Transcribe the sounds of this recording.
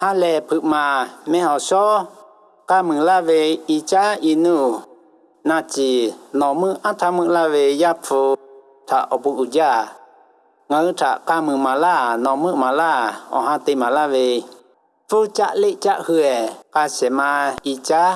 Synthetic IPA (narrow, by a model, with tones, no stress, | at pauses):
hã˦lɛ˧˨˧pʰɨ˧˨ʔmã˨mɛ̃˧hɔ˨ʃɔ˦ | ka˧mɨ̃˨la˦we˧i˧t͡ʃa˦i˧nũ˧˨ | nã˧t͡ʃi˨nɔ̃˨mɨ̃˦ʔã˦t̪ʰa˧mɨ̃˧la˦we˧ja˦t͡so˧ | tʰa˨ʔɔ˨pu˧ʔu˨d͡ʒa˧˨ | ŋã˧ɨ˦tʰa̰˨ʔka˧mɨ̃˨mã˨la˦˨nɔ̃˨mɨ̃˦˧mã˨la˦˨ɔ̰̃˨hã˧t̪e˧mã˨la˦we˧ | fu˦t͡ʃa̰˦ʔle˦˨t͡ʃa˦ʔhɨ˧ɛ˨ka˧sɛ˨mã˧i˧t͡ʃa˦